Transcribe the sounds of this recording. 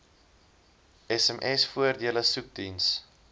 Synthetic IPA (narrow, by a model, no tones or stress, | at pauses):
ɛsɛmʔɛsfuərdiələsuk̚dins